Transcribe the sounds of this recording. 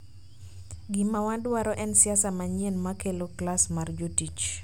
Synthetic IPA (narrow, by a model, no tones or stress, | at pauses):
ɡimawandwaɾɔʔɛnsiasamaɲɛnmakeloklasmard͡ʒotit͡ʃ